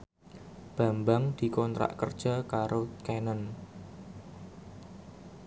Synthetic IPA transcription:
b̥a̤mbaŋd̪̥i̤kɔnt̪ɾa̰ʔkərd̥ʒ̥a̤kaɾokenən

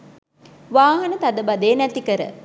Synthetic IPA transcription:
ʋaːɦɐnət̪ad̪əbad̪eːnæt̪ikəɾə̰

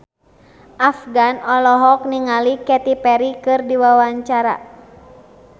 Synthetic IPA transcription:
ʔafɡanɔlɔɦɔk̚niŋalikɛt̪ipɛɾikɨrdiwawaɲt͡ʃaɾa̰

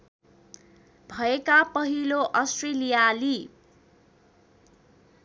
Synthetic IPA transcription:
bʱʌekapʌɦiloʔʌsʈrelijali

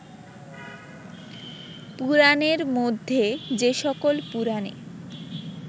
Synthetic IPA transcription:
puɾaneɾmod̪ʱːed͡ʑeʃɔkolpuɾanḛ

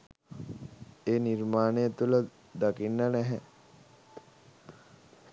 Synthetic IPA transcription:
eːniɾmaːnejət̪ulə | d̪akinːənɛɦɛ

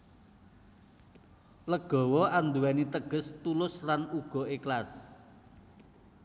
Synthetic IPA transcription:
ləɡ̥ɔ̤wɔand̪uwɛnit̪əɡ̥ə̤st̪ulʊslanuɡ̥ɔ̤eklas

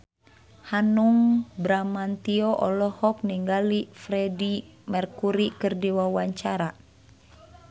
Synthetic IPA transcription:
hanuŋbɾamant̪iɔʔɔlɔhɔk̚niŋɡalifɾɛdimɛrkuɾikɨrdiwawaɲt͡ʃaɾa

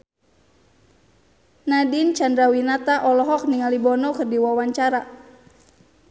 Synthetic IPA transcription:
nadint͡ʃandɾawinat̪aʔɔlɔɦɔk̚niŋalibɔnɔkɨrdiwawaɲt͡ʃaɾa

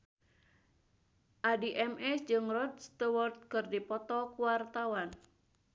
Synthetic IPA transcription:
ʔadiʔɛmɛsd͡ʒɨŋrɔd̪st̪əwɔrt̪̚kɨrdipɔt̪ɔkuwart̪awan

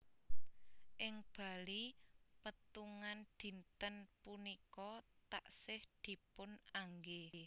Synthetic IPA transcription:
ʔɪŋb̥a̤lipət̪uŋand̪̥i̤nt̪ənpunikɔt̪a̰ʔsɪhd̪̥i̤pʊnaŋɡe

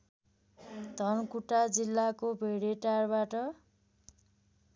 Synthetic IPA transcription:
d̪ʱʌnkuʈad͡zilːakobʱeɽeʈarbaʈʌ

